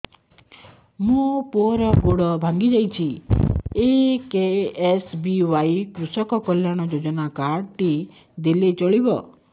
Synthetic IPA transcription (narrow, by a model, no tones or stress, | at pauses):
mũpoɾɔɡoɽɔbʱaŋɡid͡ʒajt͡ʃʰi | ekeːsbiwajkɾusɔkɔkɔljaɽ̃ɔd͡ʒod͡ʒɔnakaɖt̪i | d̪elet͡ʃɔɭibɔ